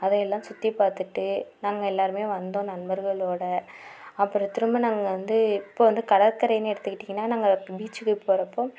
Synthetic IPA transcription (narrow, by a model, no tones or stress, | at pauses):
ɐðɐ̃ɛlːãːsʊt̪ːipaːɾt̪ɯʈːɯnaːŋɡɐɛlːaːɾɯmeːʋɐnd̪õːnɐnbɐɾɣɐɭoːɽɐ | ɐpːɯɾɐt̪ːɪɾɯmbɯnaːŋɡɐʋɐnd̪ɯɪɪpːoːʋɐnd̪ɯkɐɽɐɾkɐɾɐjɐnɯɛɽɯt̪ːɯkːɪʈːiːŋɡɐnːaːnaːŋɡɐbiːt͡ʃːɯkːɯpoːɾɐpːoː